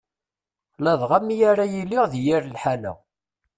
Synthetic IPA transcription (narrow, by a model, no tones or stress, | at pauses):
læðʁamijaɾajilːɪʁðjiɾlħanæ̰